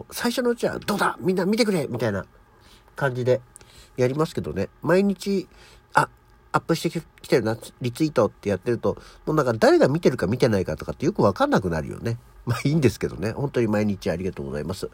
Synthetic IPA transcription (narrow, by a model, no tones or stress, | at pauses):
saiɕo̞noɯ̟t͡ɕiβa̰d̪o̞ːd̪amʲĩnːamʲit̪e̞kɯ̟ɾe̞mʲit̪aina̰ | kãɲ̟d͡ʑid̪e̞jaɾʲimasɨ̥ke̞d̪o̞̰ne̞maiɲ̟it͡ɕi | a | apːɯ̟ɕi̥t̪ekʲi̥t̪e̞ɾɯ̟naɾʲit͡sɨit̪o̞t̪ːe̞jat̪ːe̞ɾɯ̟t̪o̞mo̞ːnãŋkad̪aɾe̞ɡamʲit̪e̞ɾɯ̟kamʲit̪e̞naikat̪o̞kat̪ːe̞jokɯ̟βakanːakɯ̟na̰ɾɯ̟jo̰ne̞ | maːĩːnd̪e̞sɨ̥ke̞d̪o̞̰ne̞hõ̞nt̪o̞ɲ̟imaiɲ̟it͡ɕiaɾʲiɡat̪o̞ːɡo̞̰za̰imasɨ